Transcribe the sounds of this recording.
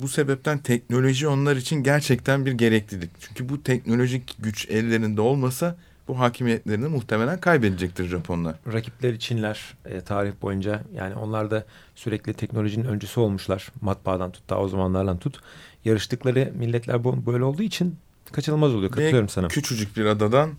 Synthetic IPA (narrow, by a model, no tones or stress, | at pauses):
buse̞bɛp̚t̪ʰænt̪ʰɛcno̞lʲo̞ʒio̞nlˠaɾit͡ʃʰinɟæɾt͡ʃʰɛct̪ʰænbiɾɟe̞ɾɛclʲilʲict͡ʃʰyɲcʰybut̪ʰɛc̚no̞lʲo̞ʒicɟyt͡ʃɛlʲːe̞ɾind̪ɛo̞lˠmasa | b̥uɦaːcʰimijɛt̪lʲe̞ɾinimuxt̪ʰe̞melʲænkʰajbed̪ed͡ʒɛc̚t̪ʰiɾʒapʰo̞nlˠaɾacʰiplʲeɾit͡ʃʰinlʲæɾ̥ɛːt̪ʰaːɾihbo̞̰jund͡ʒaja̰ːnio̞̰nlˠaɾd̪a | syɾɛclʲit̪ʰɛcnolʲo̞ʒininø̞nd͡ʒesio̞lˠmuʃlˠaɾ̥mat̪̚baːd̪ant̪ʰu̥t̪̚d̪a̰ːo̞zamanlˠaɾd̪ant̪ʰut̪jaɾɯʃt̪ɯklˠaɾɯmilʲːɛt̪lʲæɾbubø̞jlɛo̞lˠd̪uːit͡ʃʰin | kʰat͡ʃʰɯnɯlˠmazolˠujokajoɾumsanayt͡ʃʰyd͡ʒuc̚biɾad̪ad̪an